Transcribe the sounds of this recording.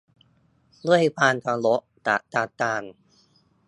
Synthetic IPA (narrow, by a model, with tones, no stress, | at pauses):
lu˥˩əjpʰaː˧nt̪ʰa˧lo˦˥ʔt̪a˨˩t̪aː˨˩t̪aː˧˩n